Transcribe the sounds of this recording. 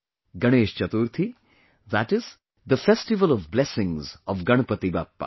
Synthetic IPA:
ɡɐɽ̃eːʃt͡ʃɐt̪uɾt̪ʰi | ðæʈɪz | d̪əfesʈɪʋəlɔvblɛsɪ̃ŋzɔʋɡɐɳ̃pət̪ibaːpːa̰

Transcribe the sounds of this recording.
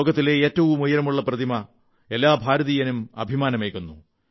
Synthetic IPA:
oːɡɐt̪ːileeːtːɐʋumujɐɾɐmuɭːɐprɐd̪ʱimɐ | e̞lːaːbʱaːɾɐðijɐnumɐ̰bʱimaːnɐmekːunːu

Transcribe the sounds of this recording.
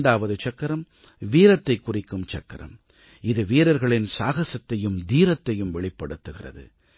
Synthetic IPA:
ɳɖaːʋɐðɯt͡ʃɐkːɐɾɐm | ʋiːɾɐt̪ːɐɪkːʊrɪkːɯmt͡ʃɐkːɐɾɐ̰m | ɪðɯʋiːɾɐɾɣɐɭɪnsaːɣɐsɐt̪ːɐjɯmd̪iːɾɐt̪ːɐjɯmʋɛɭɪpːɐɽɯt̪ːɯɣɪrɐ̰ðɯ̰

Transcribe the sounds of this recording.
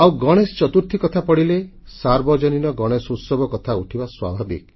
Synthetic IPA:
awɡɔɽ̃est͡ʃɔt̪uɾt̪ʰikɔt̪ʰapɔɽile | saɾbɔd͡ʒɔninɔɡɔɽ̃esutsɔbɔkɔt̪ʰauʈʰibaswa̰bʱabḭk

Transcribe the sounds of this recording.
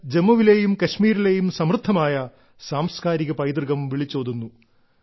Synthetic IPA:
d͡ʑemːɐʋile̞ːjumkɐɕmiːɾile̞ːjumsɐmrɨt̪ʰːɐmaːjɐ | saːmskaːɾiɣɐpɐjd̪rɣɐmʋiɭit͡ɕːoːðunːu

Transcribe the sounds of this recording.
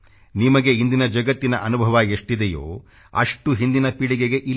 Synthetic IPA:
nimɐɡe̞ind̪inɐd͡ʒɐɡɐt̪ːinɐʔɐnubʱɐʋɐeʂʈid̪ejo̰ː | ɐ̰ʂʈuɦind̪inɐpiɽiɡeɡe̞ʔil

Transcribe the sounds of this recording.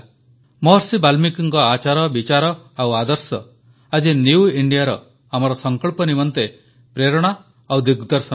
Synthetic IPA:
mɔɾsibalmikɔŋkɔat͡ʃaɾɔbit͡ʃaɾɔawad̪ɔɾsɔ | ad͡ʒiniwiɳɖijaɾɔ̰ | amɔɾɔsɔŋkɔɭpɔnimɔnt̪e | pɾeɾɔɽ̃a | awd̪iɡd̪ɔɾsɔ

